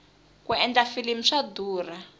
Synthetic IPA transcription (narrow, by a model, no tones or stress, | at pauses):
kuɛnd͡ɮafilim̩ʂaduːra